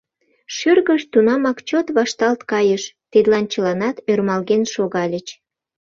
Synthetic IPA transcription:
ʃyrɣəʃt̪unɑmɑkt͡ɕot̪βɑʃt̪ɑlt̪kɑjəʃt̪ed̪lɑnt͡ɕəlɑnɑt̪ørmɑlɣenʃoɣɑlʲət͡ɕ

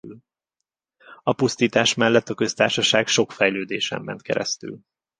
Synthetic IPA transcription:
l | ɒpust̪iːt̪aːʃmɛlːɛt̪ːɒkø̞st̪aːrʃɒʃaːɡʃo̞kfɛjløːd̪eːʃɛ̰mːɛ̰nt̪kɛ̰ɾɛ̰st̪y̰l

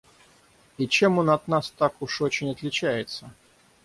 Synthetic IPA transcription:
it͡ɕe̞monɐt̪nast̪akʊʂot͡ɕɪnʲɐt̪lʲɪt͡ɕæjɪt̪sə

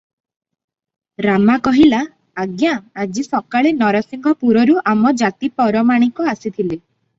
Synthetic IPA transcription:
ɾamakɔɦilaː | ɡjaad͡ʒisɔkaɭenɔɾɔsiŋɡʱɔpuɾɔɾuʔamɔd͡ʒat̪ipɔɾɔmaɽ̃ikɔasit̪ʰili

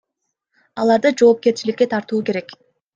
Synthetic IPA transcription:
ɑlˠɑɾd̪ɯd͡ʒo̞ːp̚ke̞ɾt͡ʃilikʲːe̞t̪ʰɑɾt̪uːke̞ɾe̞k

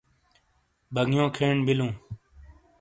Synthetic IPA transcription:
bʱəɡjõːkʰeːɳbɪlũː

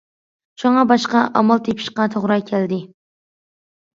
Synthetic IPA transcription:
t͡ʃʰɑɴɑbɑʃqɑʔɑ̰mɑlˠt̪ʰepʰɪ̥ʃqɑt̪ʰoʁɾɑkʲʰæld̪ɪ

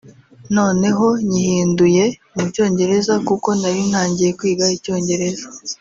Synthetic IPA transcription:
no̞ːne̞ɦo̞ɲihiːnduje̞ | muco̞ːɲɟe̞ɾe̞zakuko̞naɾin̥haːɲɟije̞kwiːɡaico̞ːɲɟe̞ɾe̞za

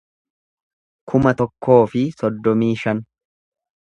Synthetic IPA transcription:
kʰʊmɐt̪ɔkːo̞ːfɪsɔd̪ːɔmiːʃɐn

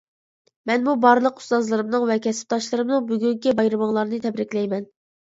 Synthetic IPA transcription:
mɛnmubɑɾɨlˠəqu̥st̪ɑzlˠɨɾɨmnɨŋvɛkʲʰɛsɪ̥p̚t̪ɑʃlˠɨɾɨmnɨŋbyɡʲyŋkʲibɑjɾɨmɨŋlˠɑɾnɨt̪ʰɛbɾɪkʲlɛjmɛn

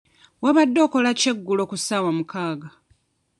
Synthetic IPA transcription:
waβadːo̞ːko̞lace̞ɡːulo̞kusaːwamukaːɡa

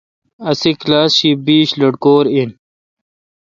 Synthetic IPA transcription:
ɐsiklaːsɕibiːɕlɐɽkoːɾin

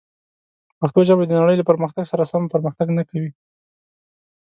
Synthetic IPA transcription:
paxt̪oʒabad̪ənaɽəjlapəɾməxt̪aɡsaɾasɑmpəɾməxt̪aɡnakawi

